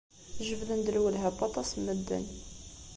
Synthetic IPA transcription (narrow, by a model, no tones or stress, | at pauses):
ʒəvðənd̪əlwəlɦæbɑt̪ˤɑsmːəd̪ːə̰n